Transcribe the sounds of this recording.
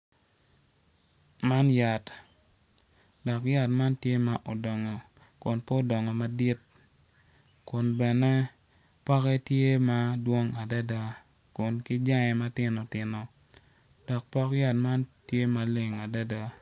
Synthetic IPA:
ma˦nja˨t | dɔ˨kja˦tma˦ntje˦ma˦ʔo˨dɔ˨ŋɔ˨ | kʊ˨npɔ˦dɔ˨ŋɔ˨ma˦di˦t̚ | kʊ˨nbɛ˨nɛ˦ | pɔ˦kɛ˦tje˦ma˦dwo˦ŋa˨da˦da˦ | kʊ˨nkɪ˦d͡ʒa˦ŋɛ˨ma˦tɪ˨nɔ˨tɪ˨nɔ˨ | d̥ɔ˨k̚pɔ˦kja˦tma˦ntje˦ma˨le˦˨ŋa˨da˦da˦

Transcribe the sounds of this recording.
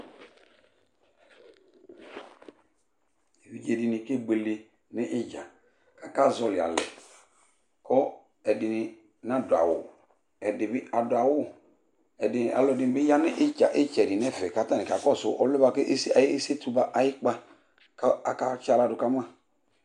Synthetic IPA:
wi˨d͡ʒe˨dɪ˨nɪ˨ke˦ɡ͡be˨le˦ | nɪ˦ʔɪ˦d͡ʒa˨ | ka˨ka˦zɔ˨lɪ˨a̰˨lɛ̰˨ | kɔ˦ | ɛ˨dɪ˨nɪ˨ | na˦dʊ˨a̰˨wʊ̰˨ | ɛ˨dɪ˨bɪ˦a˨dʊ˨a˨wʊ˦ | ɛ˨dɪ˨ʔa̰˨lɔ˨dɪ˨n˨bɪ˦ja˦nɪ˦ʔɪ˦t͡ʃa̰˨ʔɪ˦t͡ʃɛ˨dɪ˨nɛ˦fɛ˨ka˨ta˦˨nɪ˨ka˨kɔ˦˨sʊ̰˨ʔɔ˨lʊ˦ba˨ke˦ʔe˦sa˨jɪ˦e˦se˦tu˦ba˦ʔa˨jɪ˦k͡pa˦ | ka˨ka˦t͡ʃa˨la˦˨dʊ˨ka˦ma˦˨

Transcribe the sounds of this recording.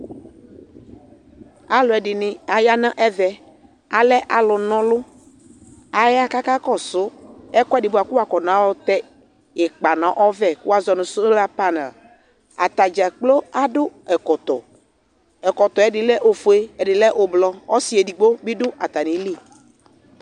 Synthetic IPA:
a˨lʊ˨ɛ˨ɖɪ˨nɪ̃˨a˨ja˦nã˦ʔɛ˦vɛ˨ | a˨lɛ˦ʔa˨lʊ˨nɔ̃˦lʊ˦ | a˨ja˦ka˦ka˦kɔ˦˨sʊ˨˦ɛ˦kɔ˦˨dɪ˨bʊ˦a˨ku˦wa˨kɔ˨nã˨˦wɔ˦t̪ɛ˦ | ɛ˨k͡pa˨nã˨˦ʔɔ˦vɛ˦ku˦a˦zɔ˨nʊ̃˨sʊ˦la˦pa˦nɛ˨l | a˨t̪a˨d͡ʒa˨k͡plo˦a˦ɖʊ˦ɛ˨kɔ˨t̪ɔ˨ | ɛ˨kɔ˨t̪ɔ˨ɛ˨dɪ˨lɛ˦ʔo˨fu˨e˦ɛ˨dɪ˨lɛ˦ʔo˨blɔ˨ɔ˦si˦ɛ˨di˨ɡ͡bo˦bi˦ɖʊ˦ʔa˨t̪a˨nĩ˨˦li˦˨

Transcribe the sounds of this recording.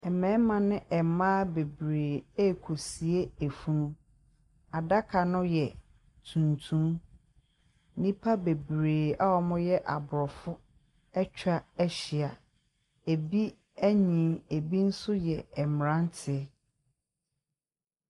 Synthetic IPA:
ɛ˨mɛ̃˨˦mã˨nɪ̃˦ʔɛ˨mã˦be˨bɾeː˨e˦˨kʰo˨si˨e˦e˨fu˦nũ˦ | a˨da˦kʰa˨nʊ̃˦jɛ˨ | tʰũ˨ntʰũ˦m˦ | nĩ˦pʰa˦be˨bɾeː˨a˦wɔ˦mʊ̃˦jɛ˦ʔa̰˨bʊ˨ɾɔ˨fʊ˦ | ɛ˦t͡ɕᶣa˦æ˦ɕɪ˨a˨ | e˨bi˦ | æ˦ɲĩ˨˦e˨bi˦n̩˦sʊ˦jɛ˨ɛ˨m˨ɾã˦n˦tʰɪ˨ɛ˦

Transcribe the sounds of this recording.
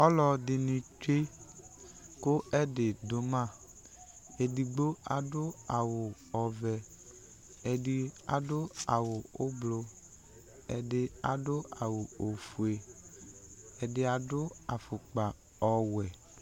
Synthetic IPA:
ɔ˦lɔ˧dɪ˨nĩ˨t͡ʃe˦ | ko˦ɛ˦dɪ˨dʊ˨mã˦˨ | e˨di˨ɡ͡bo˦a˨dʊ˦a˨wʊ˨ | ɔ˨vɛ˨ | e˨di˨a̰˨dʊ˦a˨wʊ˨ʊ˦blo˧ | ɛ˨dɪ˨a˨dʊ˦a˨wʊ˨o˨fu˨e˨ | ɛ˨dɪ˨a˨dʊ˦a˨fʊ˨k͡pa˨ | ɔ˨wɛ˨

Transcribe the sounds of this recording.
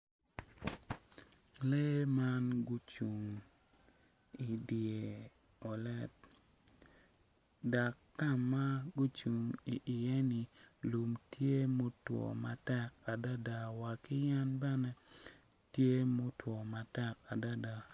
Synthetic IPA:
le˦ma˦nɡu˦t͡ʃu˨ŋ | i˨di˨e˨ | ɔ˨lɛ˦t̚ | da˨kːa˦mːa˦ɡu˦t͡ʃu˨ŋi˨ʔɪ˨jɛ˦ni˨lu˨mtje˦mo˦twɔ̰˨ma˨tɛ˦ka˨da˦da˨wa˨ki˦ja˦nbɛ˦nɛ˦ | tje˦mo˦twɔ˨ma˨tɛ˦ka˨da˦da˨

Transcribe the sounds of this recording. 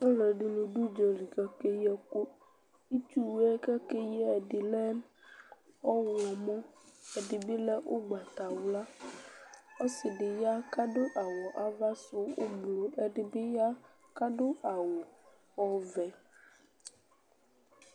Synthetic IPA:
ɾe˨ɖɪ˨nũ˨ɖu˦d͡ʒɔ˨ɾi˨kɛ˨ke˦jɛ˦ko˦ | i˦t͡ʃu˦wɛ˦kɛ˦ke˦jɛ˦ɛ˨ɖɪ˨lɛ˦n | ɔ˦wɔ˨mɔ̃˦ɛ˨ɖɪ˨bi˦lɛ˦wʔo˦ɡ͡ba˨t̪a˨wla˦ | ɔ˦sɪ˨ɖɪ˨ja˦ka˦ɖo˦ʔa˨wɔ˨ʔa˨va˦sʊ˦wo˦blo˨ɛ˨ɖɪ˨bɪ˦ja˦ | ka˦ɖʊ˦a˨wo˨ | wɔ˦vɛ˨

